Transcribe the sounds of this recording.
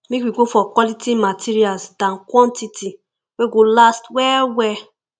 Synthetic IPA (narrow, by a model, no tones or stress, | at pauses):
mekwiɡofɔkwɔlitʰimatʰiɾialsdãnkwɔ̃ntitʰi | weɡolastwɛwɛ